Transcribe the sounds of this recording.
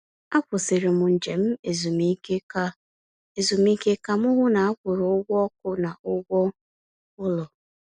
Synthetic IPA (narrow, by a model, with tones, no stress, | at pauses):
a˦kʷʊ˨sɪ˨ɾɪ˨mʊ˨n̩˨d͡ʒe˨m̩˦e˨zu˨mi˦ | e˨zu˨mi˦ke˦ka˦mʊ˦ɦʊ˦na˨a˦kʷʊ˨ɾʊ˨ʊ˦ɡʷɔ˦k̚ʊ˦na˨ʔʊ˦ɡʷɔ˦ | ʊ˦lɔ˨